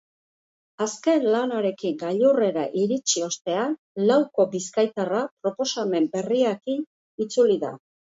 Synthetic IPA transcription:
aske̞nlanaɾe̞kiŋɡaʎure̞ɾa̰ʔiɾit͡ʃio̞st̪e̞an | lawko̞biskajt̪arapɾo̞po̞same̞mbe̞riakin | it͡suliða̰

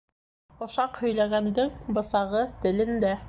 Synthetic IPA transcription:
ŏʃɑqhɵ̆jlæɡænd̪ɘŋbɤ̆sɑʁɤt̪ɘ̆lɘnd̪æ

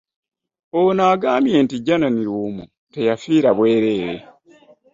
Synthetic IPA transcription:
onaːɡaːmje̞ːntiɟananiɾuːmu | te̞jafiːɾaβwe̞ːɾe̞ːɾe̞̰

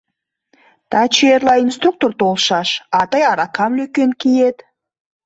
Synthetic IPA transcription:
t̪ʰat͡ʃeɾlˠɑinst̪ruk̚t̪ort̪ʰolˠʃɑʃɑt̪ɑjɑɾɑkɑmlɵkʲenkʲʰijed̪

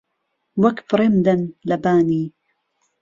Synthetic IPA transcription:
wɐkbɾemd̪ɐnlɐbaːniː

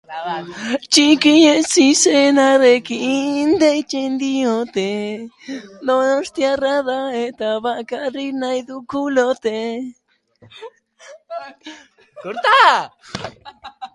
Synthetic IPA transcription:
t͡ʃikiɲẽsisenãðekiʔind̪eit͡ʃend̪iot̪e | nõnõst̪jaraðaet̪aβaʔkarinãiðukulot̪e | koɾt̪a

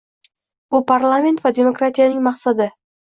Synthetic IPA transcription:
ʊpʰaɾlˠamʲe̞nt̪vad̪e̞mo̞kɾat̪ʰijanɪŋmɑqsad̪ɪ

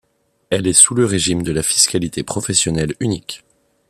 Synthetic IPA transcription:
ɛlɛsuləʁeʒimd̪əlafi̥skalit̪epχɔfɛsjɔnɛlynikʲ

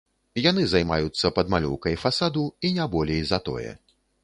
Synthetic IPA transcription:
jan̪ɨzajma̰jut̪sːɐpɐd̪malʲɔ̰wkɐjfasad̪uinʲabɔlʲejzɐt̪ɔ̰jɛ̰

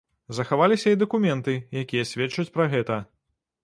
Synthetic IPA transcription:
zɐxavalʲisʲɐid̪ɐkumʲɛnt̪ɨjakʲijɐsʲvʲɛt͡ʂːut͡sʲpɾɐɣɛt̪ɐ

